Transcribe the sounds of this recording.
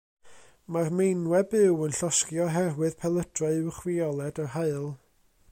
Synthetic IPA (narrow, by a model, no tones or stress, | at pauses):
marmejnwɛbɨwənɬɔskjɔɦɛrwɨðpʰɛlˠəd̥raɨɨwχwiɔlˠɛdarɦaɨlˠ